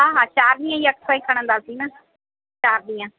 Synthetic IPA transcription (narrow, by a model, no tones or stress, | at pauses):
aːɦãːt͡ʃaːɾd̪ijãːiəkpaːikʰəɽ̃ãːd̪aːsiːnãː | t͡ʃaːɾd̪ijãː